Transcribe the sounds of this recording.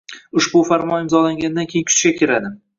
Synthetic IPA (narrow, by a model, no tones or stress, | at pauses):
ʊʃbʊfaɾmɒnɪmzɒlaŋɡʲanɪd̪ankʲʰejɪnkʰʊ̥t͡ʃ̪ɡʲakʲʰɪɾad̪ɪ